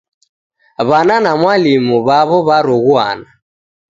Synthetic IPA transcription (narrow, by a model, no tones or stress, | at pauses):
βananamwalimuβaβɔβaɾɔɣwa̰na